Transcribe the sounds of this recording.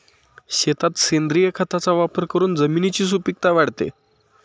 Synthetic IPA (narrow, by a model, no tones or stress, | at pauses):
ɕet̪at̪send̪ɾijəkʰat̪at͡saʋapəɾkəɾuːnd͡zəminit͡ɕiːs̬upik̚t̪aʋaɽt̪ḛ